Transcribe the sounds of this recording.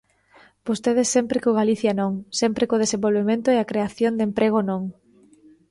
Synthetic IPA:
b̥ost̪eð̞esːɛmpɾɪkoɣaliθjɐnõŋsempɾɪkʊð̞esẽmbolβemẽnt̪ʊɛakɾeaθjond̪empɾeɣ̞onõŋ

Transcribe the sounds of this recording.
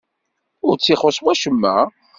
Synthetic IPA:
ʊɾt͡sːiχosˤwæʃəmːæ

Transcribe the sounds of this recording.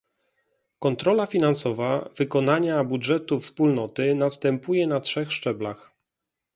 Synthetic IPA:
kɔnt̪ɾɔlafʲinansɔvavɘkɔnaɲabudʐɛt̪ufspulnɔt̪ɘnast̪ɛmpujɛnatʂɛxʂt͡ʂɛblax

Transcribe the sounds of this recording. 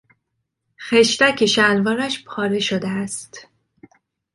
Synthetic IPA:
xeʃt̪æcʰeʃænvɒːɾæʃpʰɒːɾeʃod̪eæst̪

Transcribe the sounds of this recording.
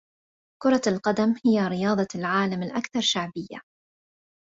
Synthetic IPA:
kʊɾˤɑlqɑd̪amhɪjaɾɪjɑːd̪ˤɑlʕaːlamɪlʔakθɑɾˤʃaʕbɪjːa̰

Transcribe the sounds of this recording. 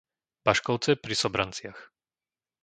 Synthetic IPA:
b̥aʃkɔʊt͡sɛpɾisɔbɾant͡sɪax

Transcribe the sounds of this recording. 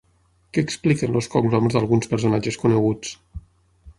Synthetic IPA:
kɛːksplikənloskɔɡlɔmzðəlˠɣunspəɾsunad͡ʒəskunəɣut͡s

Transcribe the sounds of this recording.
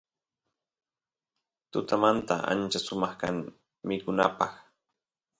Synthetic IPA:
t̪ʊt̪amant̪a̰ʔa̰nt͡ʃasʊmɑχkaŋ | mɪkʊnapɑχ

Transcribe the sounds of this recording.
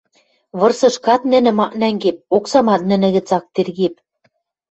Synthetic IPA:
βɤ̆rsɤ̆ʃkɑt̪̚nɘ̆nɘ̆mɑʔnæŋɡep̚oksɑmɑt̪̚nɘ̆nɘ̆ɣɘ̆t͡sɑk̚t̪erɣep̚

